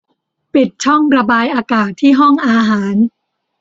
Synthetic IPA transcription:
pi˨˩t̪̚t͡ɕʰɔ˥˩ŋɾa˧baː˧jʔaː˧kaː˨˩t̪ʰːiː˥˩ɦɔ˥˩ŋʔaː˧ɦaː˩˦n

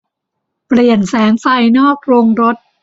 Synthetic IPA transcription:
pli˨˩ənsɛː˩˦ŋsa˧jnɔː˥˩k̚ɾo˧ŋɾo˦˥t̪̚

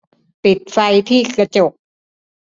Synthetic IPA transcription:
pi˨˩t̪̚fa˧jt̪ʰiː˥˩kɾa˧t͡ɕo˨˩k̚

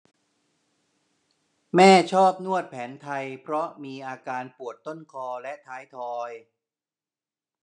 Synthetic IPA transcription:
mɛː˥˩t͡ɕʰɔː˥˩p̚nu˥˩ət̪̚pʰɛː˩˦nt̪ʰa˧jpʰɾɔ˦˥miː˧ʔaː˧kaː˧npu˨˩ət̪ːo˥˩nkʰɔː˧lɛ˦˥t̪ʰaː˦˥jt̪ʰɔː˧j

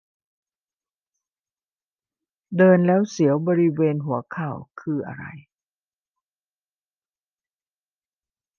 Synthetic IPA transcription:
dɤː˧nlɛː˦˥wsi˩˦əwbɔː˧ɾi˦˥weː˧nɦu˩˦ɐkʰaː˨˩wkʰɯː˧ʔa̰˧ɾa̰˧j

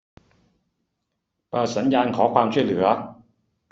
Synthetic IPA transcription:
paː˧˩sɐ˨˥njaː˧nkʰɔː˨˥kʰwaː˧mt͡ɕʰuː˥˩jlɯ̰˨˩˦ɐ˦

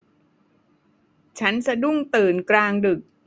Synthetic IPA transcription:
t͡ɕʰa˦˥nsa˧du˥˩ŋt̪ɯː˨˩nkɾaː˧ŋdɯ˨˩k̚

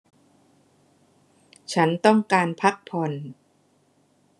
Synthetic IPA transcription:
t͡ɕʰa˦˥nt̪ɔ˥˩ŋkaː˧npʰa˦˥k̚pʰɔ˧n

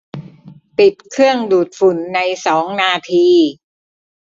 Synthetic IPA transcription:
p̪i˨˩t̪̚kʰɯ˥˩əŋduː˨˩t̪̚fu˩˦nːa˧jsɔː˩˦ŋnaː˧t̪ʰiː˧

